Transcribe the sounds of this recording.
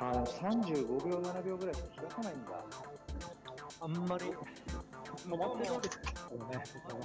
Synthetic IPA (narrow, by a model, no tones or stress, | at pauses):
anosãɲd͡ʑɨːɡo̞bʲo̞ːnanabʲo̞ːɡɯ̟ɾaiɕkakʲiɡasanaĩnd̪a̰ | amːaɾʲi | omat̪ːeod̪esone